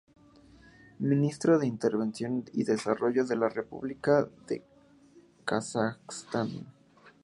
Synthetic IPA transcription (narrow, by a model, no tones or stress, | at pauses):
mĩnist̪ɾoðe̞int̪e̞ɾβe̞nsjo̞nḭðe̞saro̞ʝo̞ðe̞lare̞pṵβlikaðḛ | kasakst̪an